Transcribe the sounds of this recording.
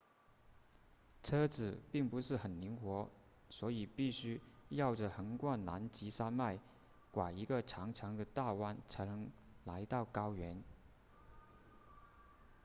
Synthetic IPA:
ʈ͡ʂʰɤ˥t͡sɹ̩˨˩pi˥˩ŋpu˧˥ʂɻ̩˥˩xə˨˩nli˧˥ŋxwɔ˧˥ | swɔ˧˥i˨˩pi˥˩ɕy˥jɑ˥˩ʊʈ͡ʂə˩xə˧˥nkwa˥˩nla̰˧˥nt͡ɕi˧˥ʂa˥nma˥˩ɪ | kwa˨˩i˧˥ɡə˧ʈ͡ʂʰɑ˧˥ŋʈ͡ʂʰɑ˧˥ŋd̪ə˧t̪a˥˩wa˥nt͡sʰa˧˥ɪnə˧˥ŋ | la˧˥ɪt̪ɑ˥˩ʊkɑ˥ʊɥɛ˧˥n

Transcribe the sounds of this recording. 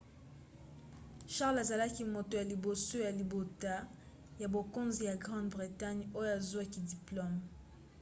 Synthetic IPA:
ʃa˦ʁla˨za˨la˦ki˦mo˨to˨ja˨li˨bo˨so˦ja˨li˨bo˨ta˦ | ja˨bo˨ko˦nzi˨ja˨ɡʁɑ̃˦dbʁi˨ta˦ɲo˦jo˨a˨zwa˦ki˨di˨plo˦m

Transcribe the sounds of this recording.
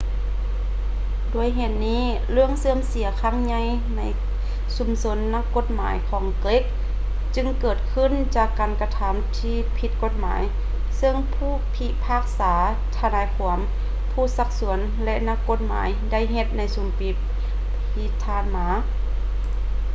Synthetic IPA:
du˧˩əjɦe˧t̪̚niː˧˥˩ | lɯ˧˥˩əŋsɯː˧əmsi˨˦ɐkʰaː˧˥˩ŋɲa˧˥j | na˧˥j | su˨˩˦mso˧˦nːa˧kːo˧˥t̪̚maː˨˦jkʰɔː˨˦ŋkle˧˥k̚ | t͡ɕɯ˧ŋkɤː˧˩t̪̚kʰɯ˧˥˨nt͡ɕaː˧˩kːaː˨˩nka˧t̪ʰa˧˦mt̪ʰiː˧pʰi˧˦t̪̚ko˧˦t̪̚ma̰ː˨˦j | sɤ˧˩˨ŋpʰuː˧˥˩pʰi˧˥ʔpʰaː˧˩k̚saː˩˦ | t̪ʰa˧laː˨˦jkʰu˩˦əm | pʰuː˧˥˩sa˧k̚su˩˦ən | lɛ˧ʔna˧kːo˧˥t̪̚ma̰ː˨˦jda˥˩˨jɦe˧t̪̚na˧˥jsu˨˦mpi˧˦p̚ʰ | iː˧t̪ʰaː˧˩nmaː˨˧˦

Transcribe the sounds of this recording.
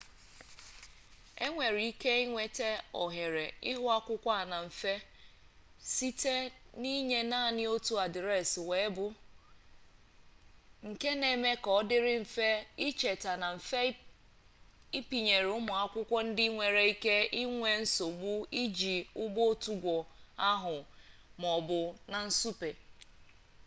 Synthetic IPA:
e˦ŋʷe˨ɾi˨i˦ke˦i˦ŋʷe˦te˦ɔ˨ɦe˨ɾe˨ɪ˦ɦʊ˦a˦kʷʊ˦kʷa˦a˨na˨ɱ̩˨fe˦ | si˦te˦ni˦ɲe˦na˦˨nɪ˦o˦tu˦a˨dɪ˨ɾe˦˨swe˨˦bʊ˦ | ŋ̩˨ke˦ne˨me˦kɔ˨˦dɪ˦ɾɪ˦m̩˨fe˦i˦t͡ʃe˨ta˨na˨m̩˨fe˦ | i˦pi˨ɲe˨ɾʊ˦mʊ˨a˦kʷʊ˦kʷɔ˦n̩˦dɪ˦ŋʷe˨ɾe˦i˦ke˦i˦ŋʷe˨n̩˦so˨ɡ͡bʊ˦i˦d͡ʒi˨ʊ˦bo˦tu˦ɡʷɔ˨a˦ɦʊ˨mɔ˨bʊ˨na˨n̩˦su˦pe˨

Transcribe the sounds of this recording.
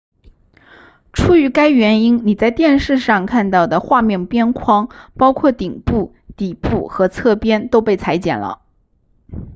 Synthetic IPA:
ʈ͡ʂʰu˥y˧˥ka˥ɪɥɛ˧˥ni˥nni˨˩t͡sa˥˧ɪt̪jɛ˥˧nʂɻ̩˥˧ʂɑ˥˧ŋkʰa˥˧nt̪ɑ˥˩ʊd̪ə˩xwa˥˧mjɛ˥˩npjɛ˥nkʰwɑ˥ŋpɑ˥ʊkʰwɔ˥˩t̪i˨˩ŋpu˥˩ | t̪i˨˩pu˥˩xɤ˧˥t͡sʰɤ˥˩pjɛ˥nt̪o˥ʊpe˥˩ɪt͡sʰa˧˥ɪt͡ɕjɛ̰˨˩nlə̰˦

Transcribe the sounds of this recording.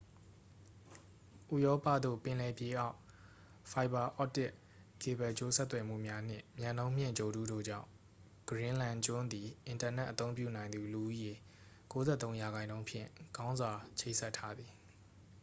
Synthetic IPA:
ʔu˦˨jɔ˦pä̰˦˨d̪o̰˦˨pɪ̃˨lɛ˨pje˨ʔa˦ʊ | fa˨ɪba˨ʔɔ˦tɪ˦˨ʔ | ke˨bɛ˨t͡ɕo˦sɛ˦t̪ːwɛ˨m̥ṵ˦˨mja˦n̥ɪ̰̃˦˨mjã˨nõ˦m̥jɪ̰̃˦˨ɲd͡ʑo˨dṵ˦do̰˦˨d͡ʑã̰˦˨ʊ̃ | ɡ̥əɹɪ̃˦lã˨nd͡ʑʊ̃˦nd̪i˨ʔɪ̃˨nta˨nɛ˦ʔət̪õ˦ʊ̃mp̬jṵ˦˨nã˨ɪ̃nd̪u˨lu˨ʔu˦je˨ | ko˦zɛ̰˦t̪õ˦ʊ̃ja˨ɡã˨ɪ̃ndõ˦ʊ̃pʰjɪ̰̃˦˨ɡ̥ã˦ʊ̃nzwa˨t͡ɕʰẽ˦˨sɛ˦tʰːa˦d̪ði˨

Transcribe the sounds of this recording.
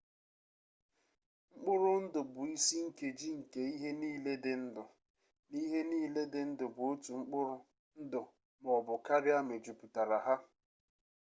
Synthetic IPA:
ŋ͡m̩˦k͡pʊ˦ɾʊ˦n̩˦dʊ˨bʊ˨i˦si˦ŋ̩˦ke˨d͡ʒi˦ŋ̩˨ke˦i˦ɦe˦niː˦le˦dɪ˨n̩˦dʊ˨ | ni˦ɦe˦niː˦le˦dɪ˦n̩˦dʊ˨bʊ˨o˦tu˨ŋ͡m̩˦k͡pʊ˦ɾʊ˦ | n̩˦dʊ˨ | m˨ɔ˨bʊ˨ka˦ɾɪ˦a˦me˨d͡ʒu˨pu˨ta˨ɾa˨ɦa˦

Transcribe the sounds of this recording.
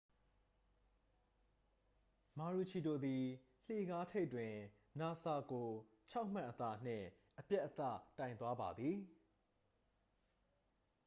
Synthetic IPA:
ma˨ɹu˨t͡ɕʰi˨do˨d̪i˨ | l̥e˦˨ɡa˦tʰe˦twɪ̃˨ | na˨sa˨ɡo˨ | t͡ɕʰa˦ʊʔm̥ã̰˦˨ʔət̪a̰˦˨n̥ɪ̰̃˦˨ | ʔəpjɛ˦ʔət̪a̰˦˨tã˨ɪ̃nt̪wa˦ba̰˨d̪ði˨

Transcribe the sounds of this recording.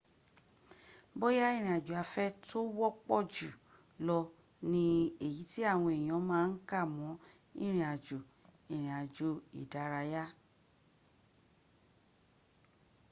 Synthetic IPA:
bo˦ja˦ĩ˦˨ɾ̃ĩ˨a˨d͡ʒu˨a˨˧fɛ˦to˦wɔ˦k͡pɔ˦˨d͡ʒu˨ | lɔ˧ | nĩ˧e˨ji˨˦ti˦a˦˨w̃ɔ̃˧e˨j̃ɔ̃˨˧˦mãː˦˧n̩˦ka˦˨mɔ̃˨˦ | ḭ̃˦˨ɾ̃ĩ˧˨a˨d͡ʒo˨ | ĩ˨ɾ̃ĩ˨a˨d͡ʒo˨˦ḭ˨da˨˦ɾa˧ja˦

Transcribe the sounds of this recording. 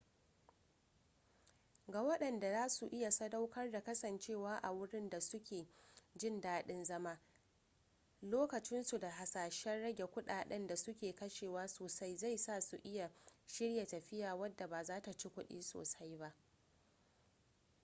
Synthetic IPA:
ɡaː˨wɐ˦ɗɐ˨nda˨zaː˦su˨ʔɪ˦ja˨sɐ˦da˦wkɐ˦rda˨kɐ˦sɐ˨nt͡ʃeː˦˨waː˦ʔa˨wʊ˦ɽɪ˦nda˨sʊ˦kʲeː˨d͡ʒɪ˦˨ndaː˦ɗɪ˦nzɐ˦ma˦ | loː˦kɐ˨t͡ʃɪ˦nsu˨da˨ɦa˨saː˨ʃɛ˦nɽɐ˦ɡʲe˨kʷʊ˦ɗaː˨ɗɛ̰˦nda˨sʊ˦kʲeː˨kɐ˦ʃeː˨waː˦soː˨sa˦jza˦˨jsaː˦˨su˨ʔɪ˦ja˨ʃɪ˦ɽja˨tɐ˨ɸɪ˦jaː˨wɐ˦dːa˨baː˨zaː˦ta˨t͡ʃi˦kʷʊ˦ɗḭː˦so̰ː˨sa˦jba˦ʔ

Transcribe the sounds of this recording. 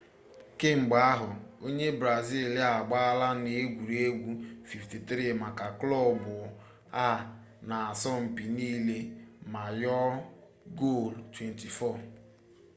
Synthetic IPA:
ke˦ŋ͡m̩˨ɡ͡ba˨a˦ɦʊ˨o˦ɲe˦bɾa˨zi˦˨la˨ɡ͡ba˦a˦la˦ne˨˦ɡʷu˨ɾe˦ɡʷu˦fi˨fti˨t̪ɾi˦˨ma˨ka˨klɔ˦˨bʊ˨ | a˦˨ | na˨a˨sɔ˦m̩˨pi˨niː˦le˦ma˨jɔ˦ | ɡo˦˨ltwe˨nti˨fɔ˦˨

